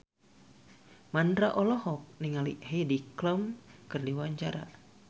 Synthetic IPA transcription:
mandɾaʔɔlɔhɔk̚niŋalḭhedikləmkɨrdiwaɲt͡ʃaɾa̰

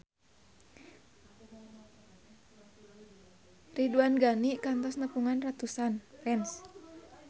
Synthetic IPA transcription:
riduanɡanikant̪ɔsnəpuŋanrat̪usanrɛns

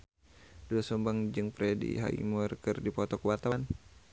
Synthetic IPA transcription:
duasɔmbaŋd͡ʒɨŋpɾɛdḭɦa̰ḭmɔrkərdipɔt̪ɔkwat̪awan

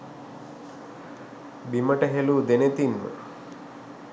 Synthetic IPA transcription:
bimɐʈɐɦelud̪enet̪inmə̰

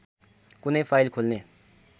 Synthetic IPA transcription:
kʊneipʰaːjlkʰoːlne

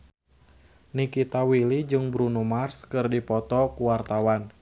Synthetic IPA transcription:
nikit̪awilid͡ʒɨŋbɾunumarskɨrdipɔt̪ɔkuwart̪awan

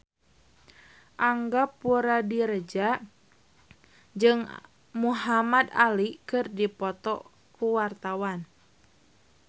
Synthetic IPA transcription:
ʔaŋɡapuɾadiɾəd͡ʒa | d͡ʒɨŋ | muɦamad̪alikɨrdipɔt̪ɔ̰ | kuwart̪awan

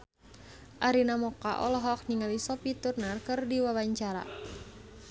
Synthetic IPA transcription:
ʔaɾinamɔkaʔɔ̰lɔɦɔk̚niŋalisɔpit̪urnarkɨrdiwawaɲt͡ʃaɾa̰

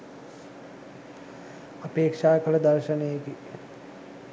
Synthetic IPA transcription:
ɐpeːkʂaːkəlɐd̪ɐɾʃənejeki

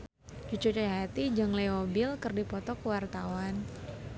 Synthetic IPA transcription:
t͡ʃut͡ʃut͡ʃajaɦat̪id͡ʒɨŋleobɪlkərdipɔt̪ɔkəwart̪awan

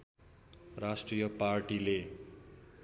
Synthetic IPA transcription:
rasʈrijʌparʈile

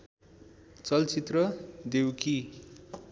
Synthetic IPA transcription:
t͡sʌlt͡sit̪rʌd̪ewki

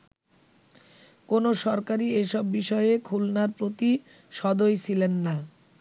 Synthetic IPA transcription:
konoʃɔɾkaɾieʃɔbːiʃɔeekʰulnaɾpɾot̪i | ʃɔd̪ojt͡ɕʰilenːa

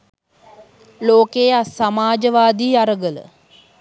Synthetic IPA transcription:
loːkeasamaːd͡ʒəʋaːd̪iːaɾəɡələ̰

